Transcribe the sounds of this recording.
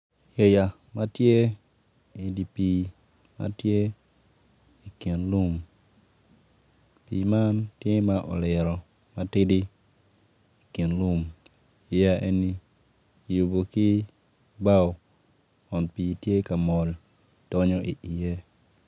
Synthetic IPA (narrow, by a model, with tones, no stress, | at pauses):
je˨ja˨ | ma˦tje˦ | i˨di˨pi˨ | ma̰˦tje˦ | i˨ki˨nlu˦m | piː˨ma˦ntje˦ma˦ʔɔ̰˨lɪ˨ɾɔ˨ | ma˦tɪ˦di˦ | i˨ki˨nlu˦m | i˨ja˦e˦ni˦ | ju˨bo˨ki˦ | ba˦˨ | ɔ˨npi˨tje˦ka˨mɔ˨l | d̥ɔ˦ɲɔ˦ʔi˨ʔi˨je˦